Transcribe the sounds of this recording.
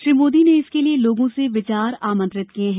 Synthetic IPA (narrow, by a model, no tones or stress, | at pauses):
ʃɾiːmoːd̪ineɪskelieloːɡõseʋɪt͡ʃaːɾaːmə̃nt̪ɾɪt̪kiẽɦɛ̃